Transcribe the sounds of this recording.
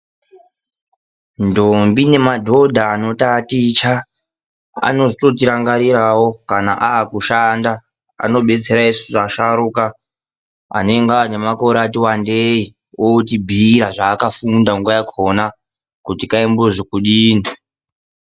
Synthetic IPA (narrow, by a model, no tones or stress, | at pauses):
ndombine̞madʱo̞dʱaːno̞tatit͡ʃa | a̰no̞zito̞tiɾaŋɡaɾiɾawokana̰ʔaːkuʃanda | a̰no̞ɓe̞t͡se̞ɾaisuʐaʃaɾuka | a̰ne̞ŋɡane̞mako̞ɾatiwandei | otibʱiɾaʐaːkafundaŋɡwajakʰona | kutikaimboʐikuɗiːni